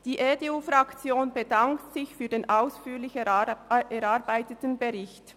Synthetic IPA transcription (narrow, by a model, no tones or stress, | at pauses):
d̥iːʔeteufʁɑkt͡sjoːnbedaŋktsɪçfyːɐdeːnʔaʊsfyːlɪç | ɛɾɑʁbaɪtətnbeʁɪçt